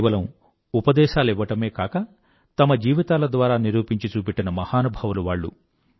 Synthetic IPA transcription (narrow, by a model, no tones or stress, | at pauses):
ʋɐlɐm | upɐd̪ɛːʃaːlɛʋːɐʈɐme̞ːkaːkɐ | t̪ɐmɐd͡ʒiːʋit̪aːlɐd̪ʋaːɾaːniɾuːpiɲt͡ʃit͡ʃuːpiʈːɐnɐmɐhaːnubʱɐʋuluʋaːɭːṵ